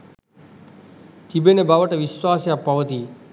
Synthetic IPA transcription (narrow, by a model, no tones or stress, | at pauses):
t̪ibenebaʋəʈeʋiʃʋaːsjapəʋət̪i